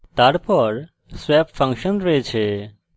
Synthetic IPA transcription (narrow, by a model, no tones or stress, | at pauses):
t̪aɽpəɾ | swɛpfʰə̃ŋkʃənɾəɦet͡ʃʰe